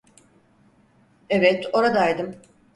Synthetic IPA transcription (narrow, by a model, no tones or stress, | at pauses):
evɛt̪o̞ɾad̪ajd̪ɯm